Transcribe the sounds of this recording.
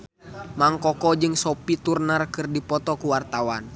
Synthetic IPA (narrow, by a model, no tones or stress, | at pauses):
maŋkɔkɔd͡ʒɨŋsɔpit̪urnarkɨrdipɔt̪ɔkuwart̪awan